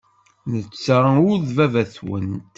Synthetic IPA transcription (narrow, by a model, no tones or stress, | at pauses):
nət͡sːʁʊɾðvævæθwə̰nt̪